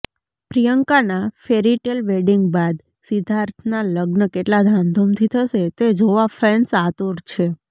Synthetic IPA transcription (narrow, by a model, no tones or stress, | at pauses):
pɾijəŋkanafeɾiʈelʋeɖiŋɡbad̪ | sid̪ʱaɾt̪ʰnaləɡnəkeʈlad̪ʱãnd̪ʱomt̪ʰit̪ʰəʃet̪ed͡ʒoʋafɛnsat̪oɾt͡ʃʰe